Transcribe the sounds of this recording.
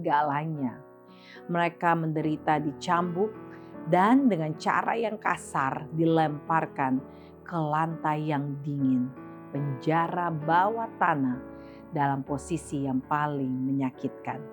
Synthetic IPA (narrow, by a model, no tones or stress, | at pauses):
əɡalaɲa | məɾekaməndəɾit̪adit͡ʃambʊk̚dandəŋant͡ʃa̰ɾa̰jaŋka̰sardilɛmparkan | kəlant̪ajaŋdiŋɪn | pəɲd͡ʒaɾabawat̪anah | dalamposisijaŋpalɪŋməɲakit̪̚kan